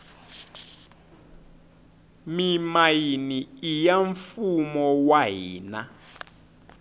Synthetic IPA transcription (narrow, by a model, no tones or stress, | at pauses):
mimajiniːjaɱfumɔwaɦḭːna